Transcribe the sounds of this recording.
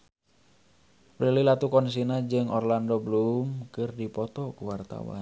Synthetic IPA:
pɾililat̪ukɔns̬inad͡ʒɨŋɔrlandɔbəlumkɨrdipɔt̪ɔkuwart̪a̰wa̰n

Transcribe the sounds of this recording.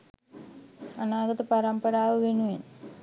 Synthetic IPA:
ɐnaːɡɐt̪ɐpɐɾɐmpɐɾaːʋɐʋeɳuʋin

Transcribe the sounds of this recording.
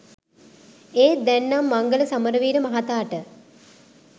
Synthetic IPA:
eːd̪ɛnːamːaŋɡələsaməɾəʋiːɾəmɐɦat̪aːʈə

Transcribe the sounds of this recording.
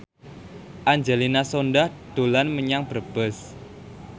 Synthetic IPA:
ʔaɲd͡ʒelinasonɖahd̪̥o̤lanməɲaŋb̥ərb̥əs

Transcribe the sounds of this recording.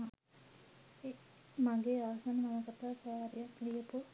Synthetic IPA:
e | maɡeːaːsanəmaməkat̪aːkaːɾijaklijəpu

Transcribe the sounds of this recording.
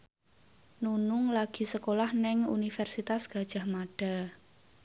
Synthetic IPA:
nunʊŋlaɡ̥i̤səkolahnɛŋunifɛrsit̪asɡ̥a̤d̥ʒ̥a̤hmaɖ̥a̤

